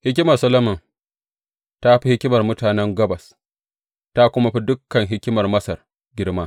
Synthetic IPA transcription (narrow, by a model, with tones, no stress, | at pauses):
hɪ˦kʲɪ˦mɐ˨rsɐ˦lɐ˦mɐ˨ŋ | ta˦ɸi˦hɪ˦kʲɪ˦mɐ˨rmʊ˦taː˨nɛ˦ŋɡɐ˦bɐ˨s | ta˦kʷʊ˦ma˦ɸi˦dʊ˦kːɐ˨ŋɦɪ˦kʲɪ˦mɐ˨rmɐ˦sɐ˨r | ɡʲɪ˦rmaː˦